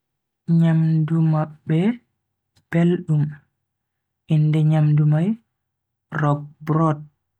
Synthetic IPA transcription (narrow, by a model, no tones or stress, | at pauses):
ɲamdumaɓːɛ | b̥elɗum | ʔindɛɲamdumaj | rɔk̚bɾɔt̚